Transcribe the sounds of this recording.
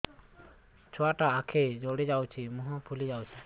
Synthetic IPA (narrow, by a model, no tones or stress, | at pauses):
t͡ʃʰɔaʈaakʰed͡ʒoɽed͡ʒawt͡ʃʰimuɦapʰulid͡ʒawt͡ʃʰi̥